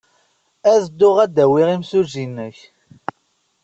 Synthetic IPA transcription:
æðəd̪ːʊʁæd̪æwiʁimsuzinːəç

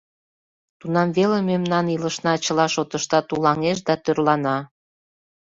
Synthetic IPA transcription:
t̪unɑmvelememnɑniləʃnɑt͡ɕəlɑʃot̪əʃt̪ɑt̪ulɑŋeʃ̬d̪ɑt̪ørlɑnɑ

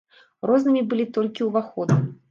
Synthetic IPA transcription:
rɔznɨmʲibɨlʲit̪ɔlʲkʲiwvaxɔd̪nɨ

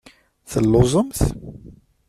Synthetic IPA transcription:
θəlːozˤəms

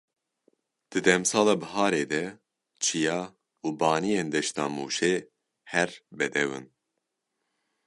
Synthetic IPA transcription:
d̪̥ɨd̪ɛmsɑːlɑːbɨɦɑːɾeːd̪ɛ | t͡ʃʰijɑː | uːbɑːnijeːnd̪ɛʃt̪ɑ̰ːmṵːʃeː | hɛɾbɛd̪ɛwɨ̰n

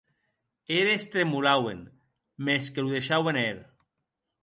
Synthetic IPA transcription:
eɾest̪ɾemulawḛn | meskeluðeʃawenel

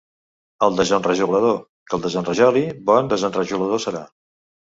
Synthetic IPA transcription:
əlˠd̪əzənrəʒuɣləðo | kəlˠd̪əzənrəʒɔlibɔnd̪əzənrəʒuləðosəɾa̰

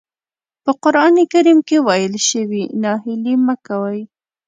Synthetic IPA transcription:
pəqʊɾɑnekaɾimkewajəlʃəwinɑɦɪliməkawaj

